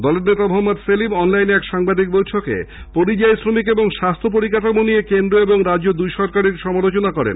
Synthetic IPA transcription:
d̪ɔleɾnet̪amoɦomːod̪selibɔnlajnɛkʃaŋbad̪ik̚bojʈʰokḛ | poɾid͡ʑajsɾomikeboŋʃast̪ʰop̬oɾikat̪amoniekend̪ɾoeboŋɾad͡ʑod̪ujʃɔɾkaɾiɾʃɔmalot͡ɕonakɔɾḛn

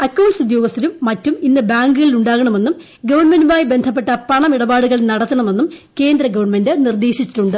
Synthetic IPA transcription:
ɐkːɐwnsud̪jo̞ːɡɐst̪ːilumːɐtːuminːɨbaːŋɡɨɣɐɭiluɳɖaːɣɐɳɐme̞nːum | ɡɐʋɐrɳmendumaːjibe̞nd̪ʱɐp̬ːe̞ʈːɐpɐɳɐmiɽɐbaːɽuɣɐɭnɐɽɐt̪ːɐɳɐme̞nːumke̞ːnd̪ɾɐɡɐʋɐrɳmendɨnird̪eːɕit͡ɕːi̥ʈːuɳɖɨ

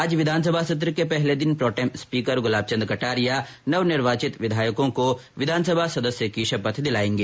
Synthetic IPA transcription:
aːd͡ʒʋɪd̪ʱaːns̬əbʱasɐt̪̬ɾəkepɛɦled̪ɪnpɾɔːʈɛmspiːkəɾɡʊlaːb̚t͡ʃɐ̃nd̪ɾkɐʈaːɾija | nɐʋnɪɾʋaːt͡ʃɪt̪ʋɪd̪ʱaːjəkõkoʋɪd̪ʱaːnsəbʱasɐd̪əsjəkiʃɐpət̪ʰd̪ɪlaːẽːŋɡeː

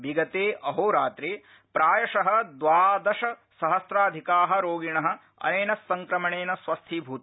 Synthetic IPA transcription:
biɡɐt̪eːʔɐɦoːɾaːt̪ɾeː | pɾaːjɐʃɐɦɐ̆d̪ʋaːd̪ɐʃɐsɐɦɐsɾaːd̪ʱikaːɦɐ̆ɾoːɡiɳɐɦɐ̆ | ɐ̰neːnɐsːɐŋkɾɐmɐɳeːnɐsʋɐst̪ʰiːbʱuːt̪

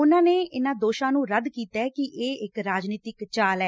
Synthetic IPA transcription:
ʊnãːneːʔɪnãːd̪oːʃãːnũːɾəd̪kiːt̪ɛːkɪʔeːɪkɾaːd͡ʒniːt̪ɪkt͡ʃaːlɛː

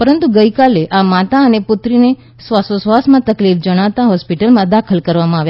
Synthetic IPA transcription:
pəɾənt̪uɡəikaleʔamat̪aənepʊt̪ɾine | sʋasosʋasmãt̪əklifd͡ʒəɽ̃aʋt̪ãɦɔspiʈəlmãd̪akʰəlkəɾʋamãaʋja

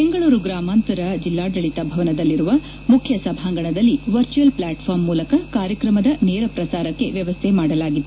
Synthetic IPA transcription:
peŋɡɐɭuːɾuɡɾaːmaːnt̪ɐɾɐd͡ʒilːaːɖ̪ɐɭit̪ɐbʱɐʋɐnɐd̪ɐlːiɾuʋɐ | mukʰjɐsɐbʱaːŋɡɐɳɐd̪ɐlːiʋɐɾt͡ʃuɐlplaːʈpʰaːɾmːuːlɐkɐkaːɾjɐkɾɐmɐd̪ɐneːɾɐpɾɐsaːɾɐkːe̞ʋjɐʋɐst̪ʰemaːɽɐlaːɡid̪ːe

